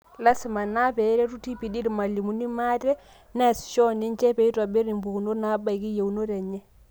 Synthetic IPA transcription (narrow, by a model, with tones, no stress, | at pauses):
la˦si˨ma˨na˦pɛ˨˦ɾe˦tu˦ti˦pi˨di˦ɾma˨li˨mu˦ni˦ma˦tɛ˦ | na˦˨sʃɔ˦ni˦nt͡ʃɛ˦pe˨˦i˦ta˨be˦ɾi˨mbu˨ku˨no˦na˦ba˦˨i˨ki˦je˨u˨no˦ɾɛ˨ɲɛ˦